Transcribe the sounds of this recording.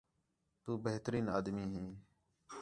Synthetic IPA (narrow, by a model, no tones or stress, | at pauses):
t̪uːbəɦt̪ɾiːnaːd̪miːɦĩː